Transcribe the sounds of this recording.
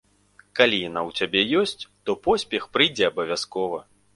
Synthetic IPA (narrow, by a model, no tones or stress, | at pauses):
kalʲijanawt͡sʲabʲɛjɔsʲt͡sʲt̪ɔpɔsʲpʲɛxpɾɨjd͡zʲɛɐbɐvʲaskɔvɐ